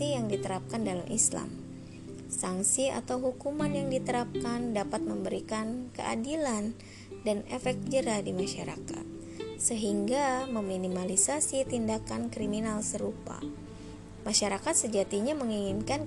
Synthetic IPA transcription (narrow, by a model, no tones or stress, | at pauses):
ijaŋdit̪əɾap̚kandalamʔḭsla̰m | saŋsia̰t̪awɦukumanjaŋdit̪əɾap̚kandapat̪̚məmbəɾikankə̰ʔa̰dilan | danefɛk̚t̪̚d͡ʒəɾadimaʃaɾa̰ka̰t̪̚ | səɦiŋɡaməminimalisasit̪indakankɾiminalsəɾupa̰ | maʃaɾakat̪̚səd͡ʒat̪iɲaməŋiŋinkan